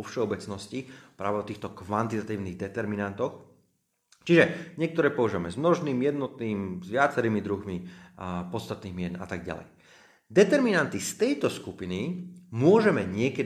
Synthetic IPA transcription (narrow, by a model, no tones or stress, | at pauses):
ɔfʃɛɔbɛt͡snɔscipɾa̰ːʋɛɔt̪iːxt̪ɔkʋant̪it̪at̪iːʊniɣd̪ɛt̪ɛɾminant̪ɔx | t͡ʃiʒɛɲɪɛk̚t̪ɔɾɛːpɔʋaʒiʋamɛzmnɔʒniːmjɛd̪nɔt̪̚niːmzʋɪat͡sɛɾiːmid̪ɾuɦmi | pɔt̪st̪at̪niːɣmɪɛna̰t̪aɡ̚ɟa̰lɛ̰j | d̪ɛt̪ɛɾminant̪ist̪ɛjt̪ɔskupinimʊɔʒɛmɛɲɪɛkɛ